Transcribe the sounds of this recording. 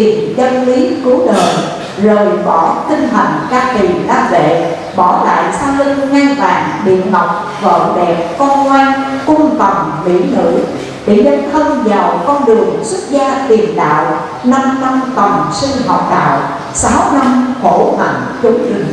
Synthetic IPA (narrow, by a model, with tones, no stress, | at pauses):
i˨˩ənzə˧nli˨˦ku˨˦ɗəː˨˩j | zəː˨˩jɓɔ˧˩t̪ï˧ŋ̟ɦa˨˩ŋ̟kaː˧k̪i˨˩ɗaː˧vḛ˧˨ | ɓɔ˧˩la̰ː˧˨jsaː˧nlï˧ŋŋa˧jva̰ː˧˩ŋɓḭ˧˨ənɦɔ˨˩wk͡p̚ | və̰ː˧˨ɗɛ˨˩p̚kɔ˧nŋwaː˧nkʊ˧ŋ͡mt̪ə˨˩wŋ͡mlḭ˧˥nɨ̰˧˥ | ɗḛ˧˩ɲə˧˥nt̪ʰə˧ŋ͡mzaː˨˩wkɔ˧nɗɨ˨˩əŋsʊ˦˥t̚zaː˧t̪i˨˩ənɗa̰ː˧˨w | na˧mna˧mt̪ə˨˩wŋ͡msi˧ŋɦɔ̰˧˨p̚ɗa̰ː˧˨w | saː˨˦wna˧mho˧˩ma̰˧˨˩ŋ | xɨ˨˦ŋzɨ˨˩ŋ